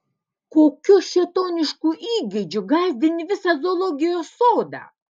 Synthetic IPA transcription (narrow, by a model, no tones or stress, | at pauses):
koːkʲuʃʲɛt̪oːnʲɪʃkuʔiːɡʲed͡ʒʲʊɡazʲd̪ʲɪnʲɪʋʲɪsɐzolˠoɡʲijosoːd̪a̰